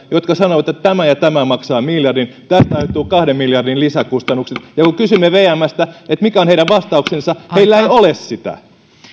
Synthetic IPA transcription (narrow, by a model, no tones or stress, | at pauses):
jot̪kɑsɑnoʋɑt̪ːett̪æmæjɑt̪æmæmɑksɑːmiljɑrdint̪æst̪ɑet̪ːˑuːkɑhdemmiljɑrdinlisækust̪ɑnːukset̪jɑkukysymːeʋeːæmːæst̪æet̪mikæoneiɾæʋʋɑst̪ɑuksensɑheilːæeiolessit̪æ̰